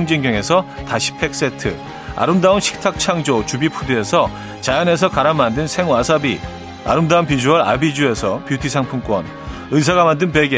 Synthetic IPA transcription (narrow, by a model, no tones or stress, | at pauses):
ŋd͡ʑeŋɡjʌŋe̞sʰʌtaɕʰi̥pʰe̞k̚s͈etʰɯ | a̰ɾɯmdaonɕʰi̥k̚tʰak̚t͡ɕʰaŋd͡ʑot͡ɕubipʰudɯe̞sʰʌ | t͡ɕajane̞s̬ʰʌkaɾammːandɯnsʰe̞ŋwasʰabi | a̰ɾɯmdaunpid͡ʑuʌɾa̰bid͡ʑue̞sʰʌpjutʰisʰaŋpʰuŋk͈wʌ̰n | ɯs̬ʰaɡamandɯnpe̞ɡe